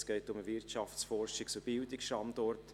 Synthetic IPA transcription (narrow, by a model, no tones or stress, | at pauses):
sɡ̥ɛɪtʊməvɪɾtt͡ʃɑft͡sfɔrʃɪksub̥ɪldɪksʃtɑnd̥ɔrt